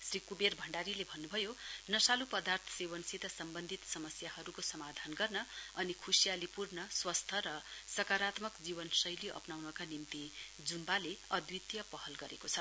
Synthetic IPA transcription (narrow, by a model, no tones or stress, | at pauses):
srikuberbʱʌɳɖaɾilebʱʌnːubʱʌjonʌsalupʌd̪art̪ʰʌ̥seβʌnsit̪ʌsʌmbʌnd̪ʱit̪sʌmʌsjahʌɾukosʌmad̪ʱanɡʌrnʌʌnikʰusijalipurnʌswʌst̪ʰʌɾʌsʌkaɾat̪mʌkd͡zibʌnsʌjliʔʌ̰pnawnʌkanimt̪i | d͡zunbaleʌd̪wit̪jʌpʌɦʌlɡʌɾekot͡sʰʌ